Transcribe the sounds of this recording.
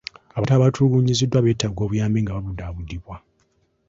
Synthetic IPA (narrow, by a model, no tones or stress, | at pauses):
aβataːβatʰuːɡuɲizidwaβe̞ːtːaɡo̞βujaːmbiŋɡaβaβudaβudːiβwa